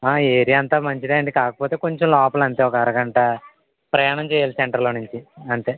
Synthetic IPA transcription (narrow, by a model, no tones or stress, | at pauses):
aːeːɾiɐnt̪aːmɐɲt͡ʃid̪aːɐɳɖikaːkɐpoːt̪eːko̞ɲt͡ʃomlɔːpɐlɐnt̪eːɔkɐɐɾɐɡɐɳʈɐ | pɾɐjaːɳɐmt͡ʃɛːjaːliseɳʈɐɾloːnuɲt͡ʃiɐnt̪e̞ː